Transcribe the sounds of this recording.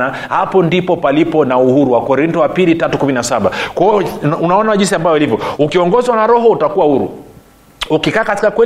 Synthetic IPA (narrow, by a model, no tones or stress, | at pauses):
a | hapɔndipɔpalipɔnauhuɾuwakɔɾintɔwapilitatukuminasaɓakwaɔunaɔnaʄins̬iambavɔilivjɔukiɔŋɡɔzwanaɾɔɦɔutakuwahuɾṵ | ukikaːkatikakwɛ